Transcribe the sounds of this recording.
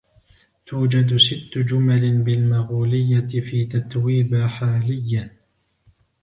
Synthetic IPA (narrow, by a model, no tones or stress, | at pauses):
t̪ʰuːd͡ʒad̪sɪt̪ːʊd͡ʒʊmalɪbɪlmaɣuːlɪjːaɪfiːt̪at̪wiːbaħaːlɪjːa